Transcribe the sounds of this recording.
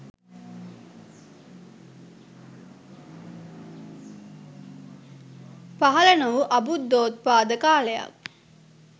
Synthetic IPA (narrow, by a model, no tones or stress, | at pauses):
pɐɦɐlɐnuʋuʔɐbud̪ːoːt̪̚paːd̪əkaːlejɐ̰k̚